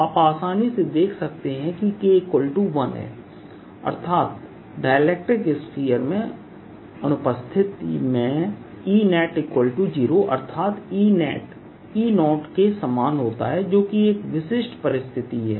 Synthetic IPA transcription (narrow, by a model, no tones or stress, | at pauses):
aːpaːsaːnised̪eːkʰsɐk̚t̪eɦɛ̃kikekwəlʈuʋɐnɦɛ̰ː | ɐ̰ɾt̪ʰaːt̪ | ɖaːjəleːk̚ʈɪkeskiːəɾmẽ | ɐnʊpəst̪ʰɪt̪imẽ | iːnɛːʈɪkwəlʈud͡ʒiːɾoʔɐ̰ɾt̪ʰaːt̪iːnɛːʈ | iːnɔːʈkesəmaːnɦoːt̪a̰ɦɛd͡ʒoːkieːkʋɪʃɪʃʈpɐɾɪst̪ʰɪt̪iɦɛ̰ː